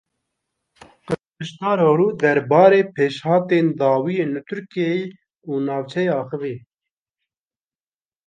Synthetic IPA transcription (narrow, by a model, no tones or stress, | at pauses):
qɨpɨʃt̪ɑːɾoːɾuːd̪ɛɾbɑːɾeːpʰeːʃhɑːt̪eːnd̪ɑːwiːjeːnlɨt̪ʰʊɾkiejeː | uːnɑːvt͡ʃʰɛjeːɑːxɨveː